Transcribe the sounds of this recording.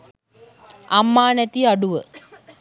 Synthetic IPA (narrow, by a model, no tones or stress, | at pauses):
amːaːnɛt̪iaɖuʋə